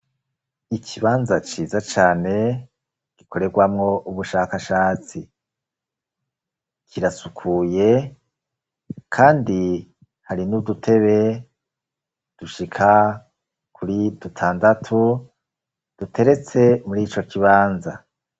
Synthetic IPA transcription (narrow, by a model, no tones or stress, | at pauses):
icʰiβaːnzat͡ʃiːzat͡ʃaːne̞ | ɡ̥iko̞ɾe̞ɡwamŋo̞ʔuβuʃakaʃaːt͡si | kʰiɾasukʰuːje̞ | kʰaːndi | haɾinudutʰe̞βe̞ | d̥uʃikʰa | kʰuɾidutʰaːndatʰu | d̥utʰe̞ɾe̞t͡se̞muɾiːt͡ʃo̞kiβaːnza